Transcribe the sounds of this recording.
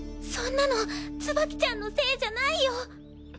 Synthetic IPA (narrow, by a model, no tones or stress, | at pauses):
sõnːano̞t͡sɨbakʲi̥t͡ɕãnːo̞se̞ːd͡ʑanaijo